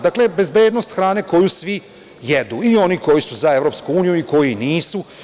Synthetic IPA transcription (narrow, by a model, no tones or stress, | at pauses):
d̪akle̞be̞zbe̞ːd̪nost̪xɾaːne̞ko̞jusʋi | jed̪uio̞niko̞jisuzaevɾo̞ːpskuuːnijuiko̞jiniːsu